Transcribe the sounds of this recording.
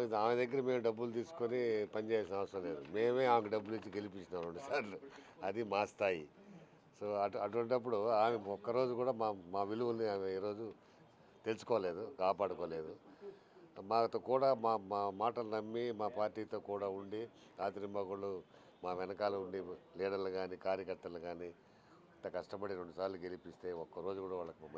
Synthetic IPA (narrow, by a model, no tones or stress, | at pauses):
aːmed̪ɐɡːɐɾɐme̞ːmuɖɐbːult̪̬iːsu̥konipɐnit͡ʃeːjasinɐʋɐsɾɐ̃mle̞ːd̪ume̞ːme̞ːaːmkɐɖɐbːulit͡ʃːiɡelipit͡ʃːinaːmuɳɖisaːɾluɐd̪imaːst̪aːji | so̞ːɐʈuɐʈ̬uʋɐɳʈɐp̬ːuɽuaːmeɔkːɐɾo̞ːd͡ʒukuːɽaːmaːmaːʋiluʋulniaːmiːɾo̞ːd͡ʒu | t̪e̞lusu̥kɔːle̞ːd̪ukaːpaːɽukɔːle̞ːd̪u | maːkɐt̪oːkuːɽaːmaːmaːmaːʈɐlɐnɐmːimaːpaːɾʈiːt̪oːkuːɽaːuɳɖi | aːt̪iɾimbaːɡuɭu | maːʋɛnɐkaːluuɳɖiliːɽɐɾluɡaːnikaːɾjɐkɐɾt̪ɐluɡaːniː | nt̪ːɐkɐʂʈɐpɐɽiɾeɳɖusaːɾluɡe̞lipist̪e̞ːɔkːɐɾo̞ːd͡ʒukuːɽaːʋaːɭːɐkumɐ